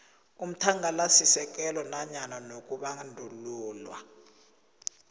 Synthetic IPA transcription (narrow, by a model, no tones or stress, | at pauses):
um̩tʰaŋalasisɛk̬ɛlɔnaɲananok̬ʼuɓaŋndʱuluːlwa̰